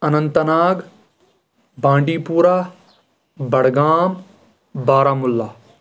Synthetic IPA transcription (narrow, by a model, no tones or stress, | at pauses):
ɐnɐ̃nt̪ɐnaːɡ | bʱãːɳɖiːpuːɾaː | bɐɽɡaːm | baːɾaːmʊlːaː